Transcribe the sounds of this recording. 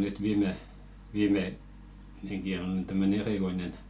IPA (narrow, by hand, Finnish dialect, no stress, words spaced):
nyt ʋiːme ʋiːme seki on ny tæmːøne eriˑkoinen